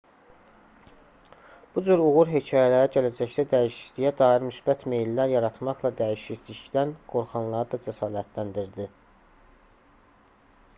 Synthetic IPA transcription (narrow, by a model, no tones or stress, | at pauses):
b̥ud͡ʒyɾuɣuɾɦe̞cʰɑːjælæɾæɟælæd͡ʒæçd̪æd̪æiʃi̥ʃd̪ijæd̪ɑːiɾmysbæt̪ʰmejlːæɾjɑɾɑt̪ʰmɑχlˠɑd̪æjiʃit̪liçd̪ænɡ̥o̞ɾχɑnlˠɑɾɯd̪ɑd͡ʒæsɑːlæt̪ʰlænd̪iɾd̪i